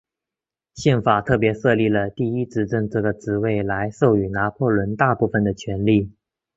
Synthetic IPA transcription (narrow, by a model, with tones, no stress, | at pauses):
ɕjɛ˥˩nfa˨˩t̪ʰɤ˥˩pjɛ˧˥ʂɤ˥˧li˥˩lə˩t̪i˥˩i˥t͡sɹ̩˥˧˩ʈ͡ʂɤ˥˧ŋʈ͡ʂɤ˥˩ɡə˩ʈ͡ʂɻ̩˧˥we˥˩ɪla˧˥ɪʂo˥˩ʊy˨˩na˧˥pʰwɔ˥˩lwə˧˥nt̪a˥˧pu˥˩fə˨˩nd̪ə˩t͡ɕʰɥɛ˧˥nli˥˩